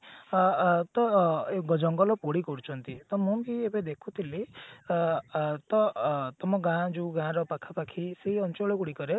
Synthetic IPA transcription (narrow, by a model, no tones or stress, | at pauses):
t̪ɔeɡɔd͡ʒɔŋɡɔlɔpoɽikɔɾut͡ʃʰɔnt̪it̪ɔmũmkiebed̪ekʰut̪ʰili | t̪ɔt̪ɔmɔɡãd͡ʒuɡãɾɔpakʰapakʰiseɦiɔnt͡ʃɔɭɔkuɽikɔɾe